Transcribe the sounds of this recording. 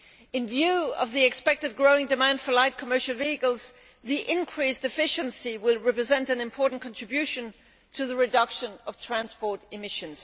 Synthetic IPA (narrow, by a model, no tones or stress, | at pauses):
ɨ̃nvjʉʌ̰vðiɨkspɛk̚tɨd̚ɡɹoʊɪ̃ŋdɨmæ̃nd̥fə˞laɪt̚kʰəmɜ˞ʃl̩ˠviɨkl̩ˠz | ðiʔɪ̃nkʰɹ̥isd̥ɨfɪʃɨ̃nsiwɪlˠɹɛpɹɨzɛ̃ntɨ̃nɨ̃mpʰɔɹʔn̩kʰɑ̃ntɹ̥ɨbjʉʃɨ̃n | tʰɨðɨɹɨdʌkʃɨ̃nʌv̥tʰɹ̥æ̃nspɔɹɾɨmɪʃɨ̃nz̥